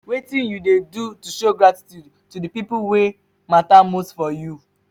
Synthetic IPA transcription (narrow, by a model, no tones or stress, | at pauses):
wetĩnjudedutuʃoɡɹati̥tjud | tudipipuwe | matamosfɔju